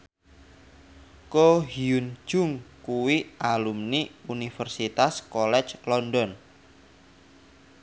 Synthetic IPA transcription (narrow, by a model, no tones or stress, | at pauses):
koɦiun̥d͡ʒ̥ʊŋkuwiʔalumniunifərsit̪askɔlɛ̥t͡ʃlɔndɔn